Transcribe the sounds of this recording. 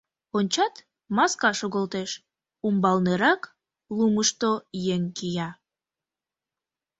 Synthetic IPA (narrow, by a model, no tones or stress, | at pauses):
onʲt͡ɕɑt̪ | mɑskɑʃoɣolt̪eʃ | umbɑlneɾɑk | luməʃt̪ojeŋkijɑ